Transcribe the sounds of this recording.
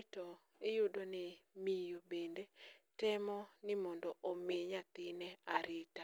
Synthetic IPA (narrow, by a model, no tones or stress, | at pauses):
tɔ | ɪjodonɪmijobendetɛmɔnɪmɔndɔʔomeɲat̪ɪnɛaɾɪta